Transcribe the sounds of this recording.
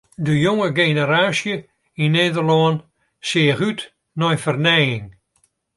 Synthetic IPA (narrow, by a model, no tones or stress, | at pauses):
dəjoŋəɡenəraːsjə | ineːdərlɔən | sɪəχyt | nɔjfərnɛjɪŋ